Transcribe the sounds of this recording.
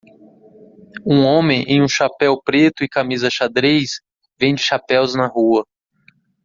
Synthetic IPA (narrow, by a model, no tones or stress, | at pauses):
ũõmẽj̃ʔẽj̃ũʃapɛwpɾet̪ʊɪkamizɐʃad̪ɾejs | vẽj̃d͡ʒɪʃapɛwznɐɦuɐ